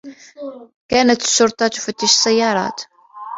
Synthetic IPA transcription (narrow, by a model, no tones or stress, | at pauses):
kænət̪ːʃːʊɾˤt̪ˤɑt̪u̥fət̪ːiʃsæjːɑɾˤɑ̰t̪